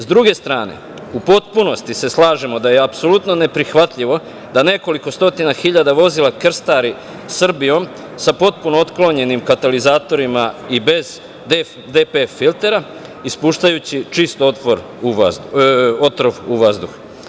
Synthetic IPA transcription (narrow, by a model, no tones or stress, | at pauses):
zd̪ɾuɡe̞st̪ɾaːne̞̰ | upo̞t̪puno̞st̪ise̞slaːʒemo̞d̪ajeapso̞lut̪no̞ne̞pɾixʋat̪ʎiʋo̞ | d̪ane̞ko̞liko̞st̪o̞t̪inaxiʎad̪aʋo̞zilˠakr̩st̪aɾi | sːr̩bijo̞m | sapo̞t̪̚punoot̪klo̞ɲe̞nimkat̪alizaːt̪o̞ɾimaibe̞z | d̪ | d̪epefilt̪e̞ɾa | ispuːʃt̪ajut͡ɕit͡ʃist̪ot̪ʋo̞ɾ | u | o̞t̪ɾoʋuʋazd̪ux